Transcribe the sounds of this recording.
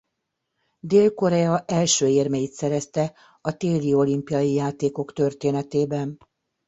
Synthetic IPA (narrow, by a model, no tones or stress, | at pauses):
d̪eːlko̞ɾɛɒʔɛlʃøːeːrmejit̪sɛɾɛst̪ɛ | ɒt̪eːlio̞limpijɒjijaːt̪eːko̞kt̪ø̞rt̪eːnɛt̪eːbɛn